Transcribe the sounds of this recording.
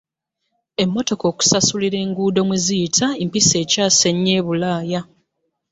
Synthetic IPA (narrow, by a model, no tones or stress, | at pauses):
e̞mːo̞to̞ko̞ːku̥sasuliɾe̞ːŋɡuːdo̞miziitʰaempise̞ːcaːse̞ɲːe̞ːβulaːja